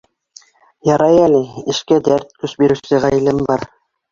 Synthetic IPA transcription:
jɑɾɑjælɘɘ̆ʃkæd̪æɾt̪̚kɵʃbiɾɘ̆wsɘʁæjɘ̆lɘmbɑɾ

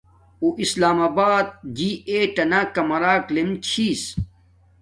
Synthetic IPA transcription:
uʔislaːmaːbaːd̪̚d͡ʑiːeʈɐnakɐmɐɾaːklemt͡ɕʰiːs

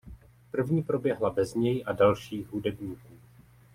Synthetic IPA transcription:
pr̩vɲiːpɾo̞bjɛɦlabɛzɲɛjʔadalʃiːɣɦudɛbɲiːkuː

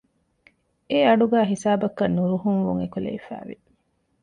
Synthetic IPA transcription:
eɐɖuɡæːɦisaːbɐkːɐnːuɾuɦuŋʋuŋekulḛifæ̰ːʋi

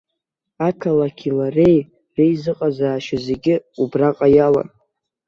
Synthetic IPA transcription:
akʰalakʲʰilare̞j | rejzɨqʼazaːʃaze̞ɡʲɪubraqʼajala̰n

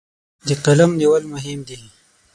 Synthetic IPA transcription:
d̪əqalamniwəlmʊɦɪmd̪i

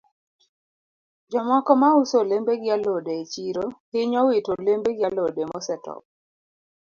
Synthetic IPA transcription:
d͡ʒɔmɔkɔmausolembeɡɪalodeːt͡ʃiɾohɪɲɔwɪtolembeɡɪalodemɔsɛtɔ̰k̚

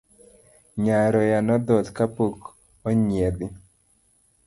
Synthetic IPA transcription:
ɲaɾɔjanɔd̪ɔt̪kapok | ɔɲjɛd̪ɪ

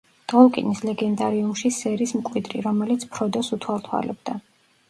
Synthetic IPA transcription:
d̪̥ʁɔlˠkʼḭnislɛɡɛnd̪aɾiumʃisɛɾismkʼwid̪ɾḭɾɔmɛlit̪sʰpʰɾɔd̪ɔsut̪ʰwalt̪ʰwa̰lɛ̰b̚d̪a

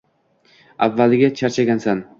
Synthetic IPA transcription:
avːalɪɡʲat͡ʃʰaɾt͡ʃʰaɡʲansan

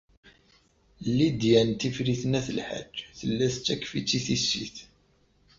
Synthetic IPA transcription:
lːid̪jænt̪ifɾiθənæθəlħə̰d͡ʒːθəlːæθt͡sːækːfit͡sːiθisːiθ

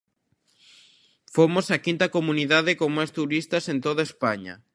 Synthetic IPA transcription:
fomosakint̪ɐkomuniðaðɪkoŋmajst̪uɾist̪ɐsẽnt̪oðaespaɲɐ̰

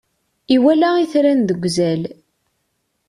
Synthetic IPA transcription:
iwælæiθɾænðəɡʷːzæl

